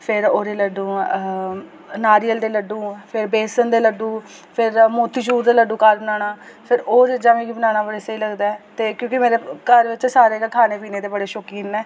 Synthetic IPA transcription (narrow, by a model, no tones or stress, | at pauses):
pʰɪɾoːɾeːləɖũː | naːɾijəld̪eːləɖũːpʰɪɾbeːsənd̪eːləɖũː | pʰɪɾmoːt̪iːʃuːɾd̪eːləɖũːkaːɾbənaːɽaːpʰɪɾoːɾd͡ʒɪd͡ʒãːmĩːɡiːbənaːɽ̃aːbəɽeːseiːləɡd̪aːɛt̪eːkjõːkɪmeːɾeːkəɾʋɪt͡ʃsaːɾeːkəkʰaːneːpiːneːd̪eːbəɽeːʃoːkiːnɛː